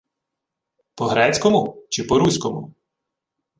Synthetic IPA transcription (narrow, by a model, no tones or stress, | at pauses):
pɔɦɾɛt͡sʲkɔmʊt͡ʃɪpɔɾusʲkɔmʊ̰